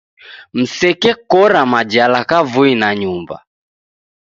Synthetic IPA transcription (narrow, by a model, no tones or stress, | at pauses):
m̩sɛkɛkɔɾamad͡ʒalakavuinaɲumba̰